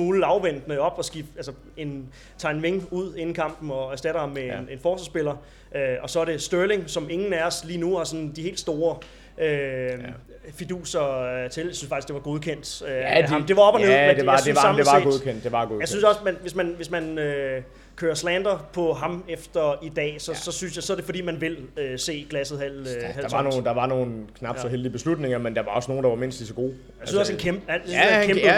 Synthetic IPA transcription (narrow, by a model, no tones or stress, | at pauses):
muːləɑ̈ʊʋen̰d̥nəɒ̽b̥ɒ̽sɡ̥ib̥ælsɐ | e̝n | t͡sʰɑ̈ːenʋeŋuð̞̰ˠe̝n̩kʰɑ̈m̰b̥n̩ɒæɐsd̥æɾ̥ɐhɑ̈mːeenenfɒːsɑsb̥e̝l̰ɐ | ʔøɒ̽sɒ̽æɐɾ̥e̝sd̥øɐle̝ŋsɒ̽me̝ŋn̩æɒsliːnuhɑ̈sɒ̽nd̥ihe̝̰ːldsd̥o̝ːɐ | ʔø | fid̥ṵːsɐt͡sʰe̝ljsynsfɑ̈ɡ̥isɡd̥e̝ʋɑ̈ɡ̥o̝ð̞ˠkʰen̰d̥ømd̥e̝ʋɑ̈ɒ̽b̥ɒnøðedesɑmeʋɑ̰ɡo̝ðˠkʰen̰d̥ːe̝ʋɑɡojasynsɒ̽smænʋe̝smænʋesmænø | kʰøːɐslænd̥ɐpʰɒ̽ɦɑ̈mefd̥ɐid̥ɛ̰ːsɒ̽sɒ̽synsjɑ̈ɪsɒɐd̥e̝fɒ̽d̥ḭːmænʋe̝løse̝̰ːɡ̥læsð̩ˠɦæl̰hælɑnond̥ɑ̈ʋɑ̈no̝ːn̩kʰnɑ̈b̥sɒɦeld̥ib̥e̝slud̥ne̝ŋɐmend̥ɑ̈ʋɑ̈ɒ̽sno̝ːn̩d̥ɑ̈ʋɑ̈me̝n̰sd̥lisɒɡ̥o̝̰ː | jajsynsɒse̝nkʰemb̥əænsʰem